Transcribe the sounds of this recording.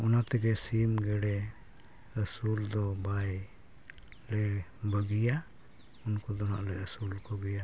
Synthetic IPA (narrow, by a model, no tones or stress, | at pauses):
ɔnat̪ɛɡɛsimɡɛɽɛ | əsuld̪ɔbaj | lɛbəɡija | unkɔd̪ɔna̰ʔlɛəsulkɔɡɛja